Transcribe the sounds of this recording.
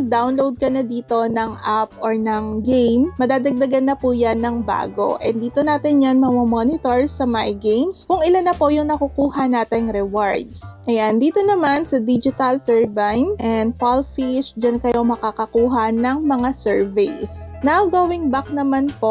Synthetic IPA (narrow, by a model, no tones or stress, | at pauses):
d̪awnlowd̪̚kɐnɐd̪iːt̪o̞nɐŋʔap̚ʔoɹnɐŋɡejmmɐd̪aːd̪ɐɡ̚d̪ɐɡanːɐpujanːɐŋba̰ːɡo̰ʔɛnd̪iːt̪o̞naːt̪ɪnjanmɐmomonɪt̪oɹsɐmajɡejmskʊŋɪlanːɐpo̞jʊŋnɐkukuːhɐnaːt̪ɪŋɾɛwaɹd̪sʔɐjand̪iːt̪o̞nɐmansɐd̪id͡ʒɪt̪ɐlt̪ɛɹbajnʔɛnd̪̚falfiʃd͡ʒɐnkɐjomɐkakɐkuːɦɐnɐŋmɐŋasɛɹvɛjsnawɡɐwɪŋbak̚nɐmanpoʔ